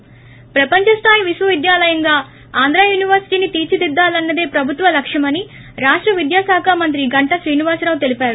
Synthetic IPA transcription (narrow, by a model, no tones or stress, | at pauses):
pɾɐpɐɲt͡ʃɐst̪ʰaːjʋisʋɐʋid̪jaːlɐjɐŋɡaː | aːnd̪ɾaːjuːniʋɐɾsi̥ʈiːnit̪iːt͡ʃid̪id̪ːaːlɐnːɐd̪e̞ːpɾɐbʱut̪ʋɐlɐkʂɐmɐni | ɾaːʂʈɾɐʋid̪jaːsaːkʰaːmɐnt̪̬ɾiɡɐɳʈɐʃɾiːniʋaːsɾaːʋt̪e̞lipaːɾu